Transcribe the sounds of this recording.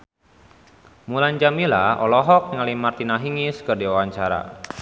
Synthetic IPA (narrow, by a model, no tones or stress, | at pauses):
muland͡ʒamilaɔlɔɦɔk̚ŋalimart̪inaɦiŋiskərdiwawaɲt͡ʃaɾa̰